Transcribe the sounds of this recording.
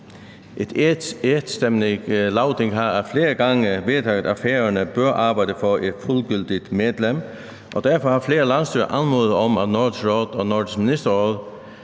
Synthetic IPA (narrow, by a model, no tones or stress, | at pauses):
ʔɛt̪ʰet̪st̪ɛmnɪlɑʊd̪̥ɪŋɦɑæfleːʁəɡɑŋəʋeːt̪ʰɑːɡd̪ɑfæːʁənəb̥œɐʔɑːbɑɪd̪əfɔɛt̪fʊlɡʏld̪ɪt̪meːd̪lɛm | ʔɔd̪æɐfɔhɑːfleːʁəlɑnsd̪yːə̰ʔɑnmoːðəɔmæt̪nɔd̪sʁoːd̪̥ɔnɔdəsmɪnɪst̪əʁɔlˠ